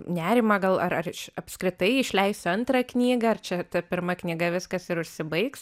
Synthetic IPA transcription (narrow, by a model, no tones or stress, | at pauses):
nʲæːɾʲɪmɐɡɐlˠɐɾɐrɪʃɐpskɾʲɪt̪ɐɪɪʃʲlʲɛɪsɐnt̪ɾɐknʲiːɡɐɐrt͡ʃʲɛt̪ɐpʲɪɾmɐknʲiɡɐʋʲɪskɐsɪɾʊʃʲsʲɪbɐɪks